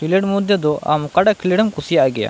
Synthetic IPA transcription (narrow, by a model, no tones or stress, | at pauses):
kileʈmud̪jɔd̪ɔʔa̰mkaɖaʔkileɽɛmkusijaʔɡɛja̰